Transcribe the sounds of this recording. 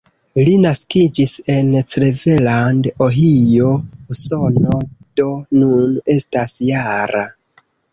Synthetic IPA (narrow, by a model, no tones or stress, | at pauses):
linaskid͡ʒise̞nt͡sɾeve̞landoɦijo̞uso̞nod̥o̞nune̞stasjaɾa